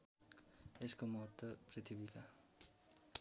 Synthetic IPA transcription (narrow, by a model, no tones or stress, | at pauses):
eskomʌt̪ːəprit̪ʰibika